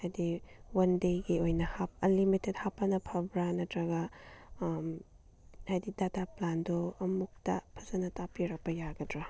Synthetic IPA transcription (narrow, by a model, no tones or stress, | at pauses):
hajdiwɐndejɡiojnɐhapɐlimited̚hapːɐnɐpʰɐbɾɐnɐtɾɐɡɐ | hajdidataplandoɐmuk̚tɐ̰pʰɐzɐnɐtapiɾɐk̚pɐjaɡɐdɾa